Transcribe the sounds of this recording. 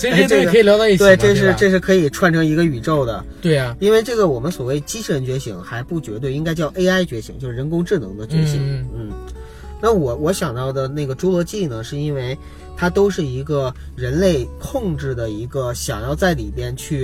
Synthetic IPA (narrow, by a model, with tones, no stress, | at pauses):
i˨˩ljɑ˧˥t̪ɑ˥˧i˥˩t̪e˥˩ɪʈ͡ʂɤ˥˧ʂ̬ɻ̩˥˧ʈ͡ʂɤ˥˧ʂ̬ɻ̩˥˧kʰɤ˧˥i˨˩ʈ͡ʂʰwa˥˩nʈ͡ʂʰɤ˧˥ŋi˧˥ɡə˧y˨˩ʈ͡ʂo˥˩ʊd̪ə˩ | we˥˩i˥nwe˥˧ɪʈ͡ʂɤ˥˩ɡə˩wɔ˨˩mə˦nswɔ˨˩we˥˩ɪt͡ɕi˥ʂʰə˧˥nt͡ɕɥɛ˧˥ɕḭ˧˥ŋxa˧˥ɪpu˥˩t͡ɕɥɛ˧˥t̪we˥˩ɪi˥ŋka˥ɪt͡ɕjɑ˥˩ʊʔe˥ɪa˥ɪt͡ɕɥɛ˧˥ɕʰi˧˥ŋt͡ɕjo˥˧ʊʂɻ̩˥˧ɻə˧˥nkʊ˥ŋʈ͡ʂɻ̩˥˩nɤ̰˧˥ŋd̪ə˧t͡ɕɥɛ˧˥ɕi˧˥˦ŋn̩˥˩ | na˥˩wɔ˨˩wɔ˧˥ɕjɑ˨˩ŋt̪ɑ˥˩ʊd̪ə˩na˥˩ɡə˩ʈ͡ʂu˧˥lwɔ˧˥t͡ɕi˥˩nə˩ʂɻ̩˥˩i˥nwe˥˩ɪ | t̪ʰa˥t̪o˥ʊʂɻ̩˥˩i˧˥ɡə˧ | ɻə˧˥nle˥˧ɪkʰʊ˥˧ŋʈ͡ʂɻ̩˥˩d̪ə˩i˧˥ɡə˧ɕjɑ̰˨˩ŋjɑ˥˧ʊt͡sa˥˩ɪli˨˩pjɛ˥˧nt͡ɕʰy˥˩